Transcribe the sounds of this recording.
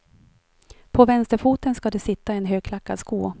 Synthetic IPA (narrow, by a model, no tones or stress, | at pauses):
pʰɔvɛnst̪əɾfuːt̪ənskad̪ɛsɪt̪ːaɛnɦøːɡ̚kʰlakːad̪skuː